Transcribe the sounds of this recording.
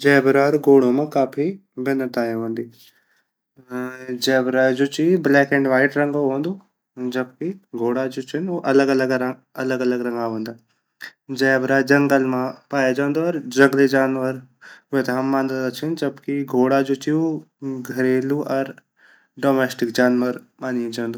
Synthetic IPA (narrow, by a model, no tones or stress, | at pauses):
d͡ʒɛːbɾaɾɡoːɽ̃õmãkaːpʰibɪnət̪aːeɦõːnd̪iː | d͡ʒɛːbɾad͡ʒut͡ʃiblɛːkɛ̃ːɳɖʋaːɪʈɾɐ̃ŋɡoɦõːnd̪oː | d͡ʒɐb̚kiɡʱoːɽad͡ʒʊt͡ʃʰɪnoʔɐləɡələɡɾɐləɡɐləɡɾɐ̃ŋɡaɦõːnd̪aː | d͡ʒɛːbɾaːd͡ʒɐŋɡəlmãpaːjad͡ʒãːnd̪oɔɾd͡ʒɐ̃ŋɡled͡ʒaːnʋəɾet̪aɦɐmːãːnd̪ad̪at͡ʃʰɪnd͡ʒɐbkiɡʱoːɽad͡ʒut͡ʃio | ɡʱɐɾeːluʔɔɾ | ɖoːmeːsʈɪkd͡ʒaːnʋəɾ | maːnied͡ʒãːnd̪u